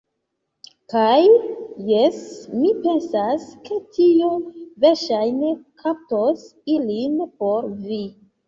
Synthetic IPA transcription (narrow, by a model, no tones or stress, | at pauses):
kajːesmipe̞nsaske̞tʰiuveɾʃajnekʰap̚tosilinpoɾvi